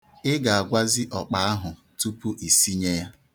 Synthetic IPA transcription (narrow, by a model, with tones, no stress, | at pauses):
ɪ˦ɡa˨a˨ɡʷa˦zɪ˦ʔɔ˨k͡pa˨˦a˦ɦʊ˨ | tu˦pu˦ʔi˨si˦ɲe˦ja˦